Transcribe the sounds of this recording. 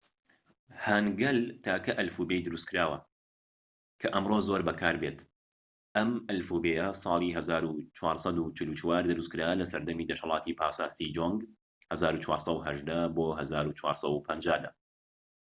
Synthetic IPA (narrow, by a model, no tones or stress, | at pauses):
haːnɡɐlt̪ʰaːkɐʔɐlfubejd̪ɨɾust̚kɨɾaːwɐ | kʰɐʔɐmrozoːɾbɐkʰaːɾbeːt̪ | ʔɐmʔɐlfubejɐsˤɑːlˠiɦɐzaːɾut͡ʃwɑːɾsˤɑd̪ut͡ʃɪlut͡ʃwaːɾd̪ɨɾuskɨɾaːlɐsɐɾd̪ɐmiːd̪ɐʃhɐlˠɑːt̪ʰipʰaːsaːst̪id͡ʒoŋɡ | hɐzaːɾut͡ʃwaːɾsˤɐwɦɐʒd̪aboːɦɐzaːɾut͡ʃwa̰ːɾsɐwupʰɐnd͡ʒaːd̪aː